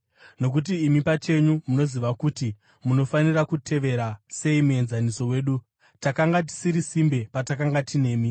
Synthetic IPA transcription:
no̞k̬ut̬iːmipat͡ʃe̞ɲumuno̞ziʋakuːti | muno̞fanirakutʰe̞ʋe̞ɾase̞imue̞nzaniso̞we̞ːɗu | takaŋɡat̬i̥siɾisimbe̞patakaŋɡatine̞ːmi

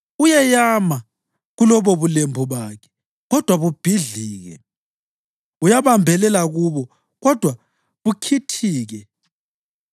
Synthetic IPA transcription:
ujɛjama | ɣulɔβɔβulembʱuβakʰɛ̥ | ɣɔd̥ʱwaβub̥ʱiɮiːɣɛ̰ | ujaβambʱɛlɛlaɣuβɔ | ɣɔd̥ʱwa | βukʰitʰiːɣɛ

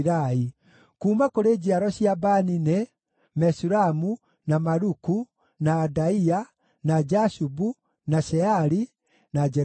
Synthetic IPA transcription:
ɾai | kuːmakoɾeːd͡ʑiaɾɔɕiabanine | mɛsuɾamu | namaɾuku | naːdaia | nad͡ʒasubu | naɕɛaɾi | nad͡ʒɛ

